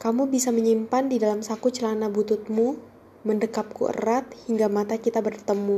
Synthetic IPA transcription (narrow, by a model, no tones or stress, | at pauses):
kamubisaməɲimpandidalamsakut͡ʃəlanabut̪ʊt̪̚mu | məndəkap̚kṵʔə̰rat̪̚hiŋɡamat̪akit̪abərt̪əmu